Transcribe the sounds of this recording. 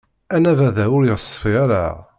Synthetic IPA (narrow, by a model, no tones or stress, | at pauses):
ænævæðæʊɾjəsˤːə̥fiaɾa̰